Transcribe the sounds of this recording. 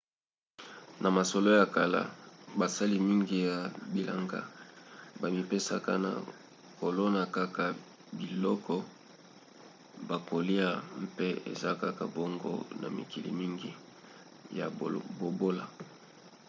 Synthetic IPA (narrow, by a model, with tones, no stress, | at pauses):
na˨ma˨so˨lo˦ja˨ka˨la̰˦ba˨sa˦li˦mi˦ŋɡi˨ja˨bi˨la̰˨ŋɡa̰˦ | ba˨mi˨pe˦sa̰˦ka̰˦na̰˨ | ko˨lo˦na˨ka˦ka˦ | bi˨lɔ˦kɔ˦ | ba˨ko˨li˦a˦˨m˦pe˦ḛ˨za˦ka˦ka̰˨bo˦ŋɡo̰˦na̰˨mḭ˨ki˨lḭ˨mi˦ŋɡi˦ | ja̰˨bo˨bo˦la˨